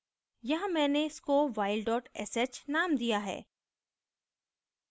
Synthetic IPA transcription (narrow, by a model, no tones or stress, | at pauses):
jɐɦãmɛ̃ːneɪskoʋaːɪlɖɔːʈɛ̰set͡ʃnaːmd̪ijaɦɛ̰ː